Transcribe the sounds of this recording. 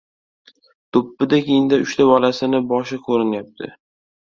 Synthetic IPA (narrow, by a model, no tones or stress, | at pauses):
t̪ʰopːɪd̪akʲejɪŋd̪aʊʃt̪ʰabɒlasɪnɪbɒʃɪkʰoɾɪnjap̚t̪ʰɪ̰